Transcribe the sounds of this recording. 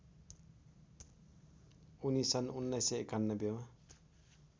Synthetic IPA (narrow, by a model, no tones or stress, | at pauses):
unisʌnunːajseekanːʌbjema